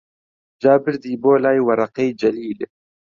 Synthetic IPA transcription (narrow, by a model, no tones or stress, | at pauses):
d͡ʒaːbɨɾd̪iːboːlaːjwɐɾˤɑqejd͡ʒɛliːl